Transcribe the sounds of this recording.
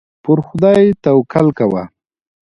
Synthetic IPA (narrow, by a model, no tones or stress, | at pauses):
pʊɾxʊd̪ajt̪awkʰalkawa̰